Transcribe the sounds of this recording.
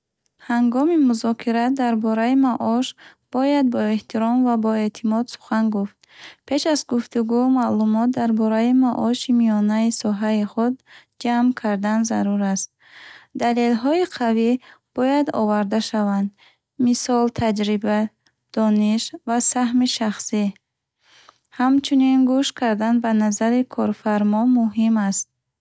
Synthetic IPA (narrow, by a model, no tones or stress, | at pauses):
haŋɡɔmimuzɔkʰiɾad̪aɾbɔɾaimaʔɔʃ | b̥ɔjad̪̚bɔe̞ht̪ʰiɾɔmvabɔe̞t̪ʰimɔd̪su̥χanɡuft̪̚pʰe̞ʃazɡuft̪uɡumalumɔt̪̚d̪aɾbɔɾaimaʔɔʃimijɔnaisɔɦaiχud̪̚ | d͡ʒamkʰaɾd̪anzaɾuɾast̪̚ | d̪ale̞lɦɔiqʰavib̥ɔjad̪ɔ̰vaɾd̪aʃavand̪ | misɔlt̪ʰad͡ʒɾiba | d̪̥ɔniʃvasaɦmiʃaχsi | hamt͡ʃʰuninɡuʃkʰaɾd̪anbanazaɾikʰɔɾfaɾmɔmuɦimast̪̚